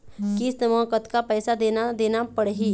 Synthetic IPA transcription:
kisnəmɔ̃ːkət̪kapɛːsad̪eːnad̪eːnapəɽɦiː

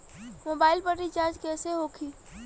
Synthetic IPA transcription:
moːbaːɪlpəʈit͡ʃaːd͡ʒkɛːseɦoːkʰi

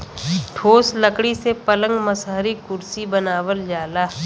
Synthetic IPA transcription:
ʈʰoːsləkɽisepələ̃ŋɡməsɦəɾikʊɾsibənaːʋəld͡ʒaːlaː

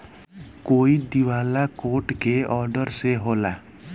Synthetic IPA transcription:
koːid̪iʋaːlakoːʈkeɔːɾɖəɾseɦoːlaː

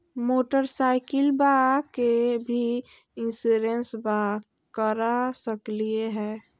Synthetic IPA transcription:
moːʈəɾsaɪkəlbakebʱi | ɪ̃nsuɾensba | kəɾasəklieɦɛː

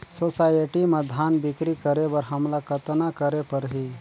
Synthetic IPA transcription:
sosaːjeʈiməd̪ʱaːnbɪkɾikəɾebəɾɦəmlakət̪nakəɾepəɾɦi

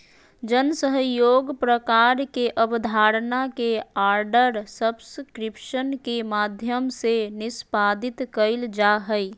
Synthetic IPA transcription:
d͡ʒənsəɦəjoːɡpɾəkaɾkeʔəbd̪ʱaɾnakeaɾɖəɾsəbskɾɪpʃənkemaːd̪ʱjəmsenɪspad̪ɪt̪kəɪld͡ʒaɦəɪ

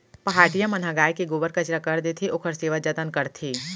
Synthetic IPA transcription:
pɐɦaːʈijamɐnɦaɡaːjkeɡoːbəɾkɐt͡ʃɾakɐɾd̪eːt̪ʰiʔʊkʰəɾseːʋad͡ʒɐt̪ənkɐɾt̪ʰiː

